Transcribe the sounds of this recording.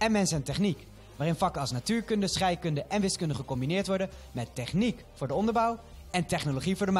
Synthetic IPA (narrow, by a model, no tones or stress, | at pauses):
ɛnmɛnsəəntɛχnik | ʋaːrɪnfɑkəɑlˠsnatyːɹkɵndəsχɛjkɵndəʔɛnʋɪskɵndəχəkɔmbinɪːɹtʋɔɹdəmɛtːɛχnik | fʊːɹdəɔndəɹbʌwɛntɛχnoloχivʊːɹdəm